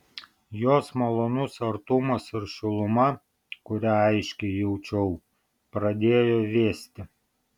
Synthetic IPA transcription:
joːsmɐlˠoːnʊsɐɾt̪ʊmɐsɪɾʃʲʊlˠʊmɐ | kʊɾʲæɐɪʃʲkʲɛɪjɛʊt͡ʃʲɛʊ | pɾɐd̪ʲeːjoːʋʲeːsʲt̪ʲɪ

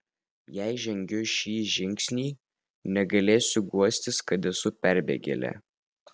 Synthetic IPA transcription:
jæɪʒʲɛŋʲɡʲʊʃʲiːʒʲɪŋʲksʲnʲiː | nʲɛɡɐlʲeːsʲʊɡuɔsʲt̪ʲɪskɐt̪ʲɛsʊpʲɛɾʲbʲḛːɡʲɛ̰lʲɛ̰

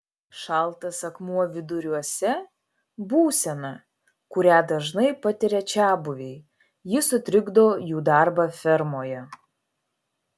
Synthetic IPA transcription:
ʃɑˑlˠt̪ɐsɐkmuɔʋʲɪd̪ʊɾʲuɔsʲɛ | buːsʲɛnɐ | kʊɾʲæːd̪ɐʒnɐɪpɐt̪ʲɪɾʲɛt͡ʃʲæːbʊʋʲɛɪ | jɪsʊt̪ʲɾʲɪɡd̪oːjuːd̪ɑˑɾbɑfʲɛɾmoːjɛ

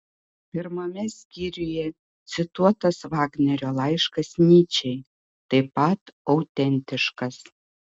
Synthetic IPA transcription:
pʲɪɾmɐmʲɛsʲkʲiːɾʲʊjɛ | t̪sʲɪt̪uɔt̪ɐsʋɑːɡnʲɛɾʲoːlˠɑɪʃkɐsnʲiːt͡ʃʲɛɪ | t̪ɐɪpɐt̪ɐʊt̪ʲɛnʲt̪ʲɪʃkɐs

